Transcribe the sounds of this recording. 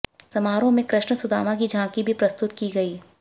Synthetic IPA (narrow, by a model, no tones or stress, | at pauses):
sɐmaːɾõmẽkɾɪʃɳəsʊd̪a̰ːmak̬id͡ʒãkibʱipɾɐst̪ʊt̪kiɡɐiː